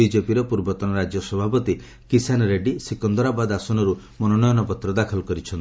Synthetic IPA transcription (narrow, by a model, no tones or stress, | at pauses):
id͡ʒepiɾɔpuɾbɔt̪ɔnɔɾad͡ʒjɔsɔbʱapɔt̪i | kisanɔɾeɖisikɔnd̪ɔɾabad̪asɔnɔɾu | mɔnɔnɔjɔnɔpɔt̪ɾɔd̪akʰɔlɔkɔɾit͡ʃʰɔnt̪i